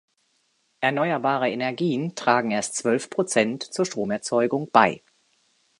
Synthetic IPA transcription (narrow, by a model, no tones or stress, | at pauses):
ʔɛɐnɔʏɐbaːʁ̞əenɛɐɡiːəntʁ̥aːɡŋ̩eːɐstt͡sv̥œlfpʁ̥ot͡sɛntt͡suːɐʃtʁ̥oːmɛɐt͡sɔʏɡʊŋb̥a̰ɪ